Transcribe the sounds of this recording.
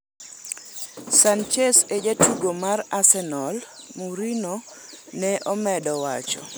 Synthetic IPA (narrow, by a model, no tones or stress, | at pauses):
sant͡ʃesed͡ʒatuɡomarasɛnɔl | muɾino | nɛʔɔmɛdɔwa̰t͡ʃɔ̰